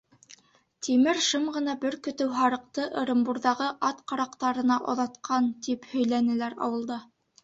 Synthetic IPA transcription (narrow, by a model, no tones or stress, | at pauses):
t̪imɘɾʃɤmʁɤ̆nɑbɘɾkɵ̆t̪ɘwɦɑɾɤ̆q̚t̪ɤʔɤ̆ɾɤ̆mbuɾðɑʁɤʔɑt̪qɑɾɑqt̪ɑɾɤ̆nɑʔŏ̰ðɑt̪qʰɑnt̪iphɵ̆jlænɘ̆læɾɑ̰wɤ̆lˠd̪ɑ